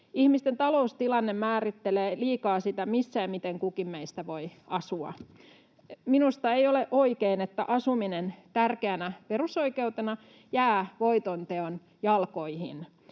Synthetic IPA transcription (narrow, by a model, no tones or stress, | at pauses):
ihmist̪ent̪ɑloust̪ilɑnːemmæːrit̪ːeleːliːkɑːsit̪æmisːæːmit̪eŋkukimmeist̪æʋoiɑsuɑ̰ | minust̪ɑeioleʔoikeinet̪ːæʔɑsuminent̪ærkeænæperusoikeut̪enɑ | jæːʋoit̪ont̪eon | jɑlkoihḭn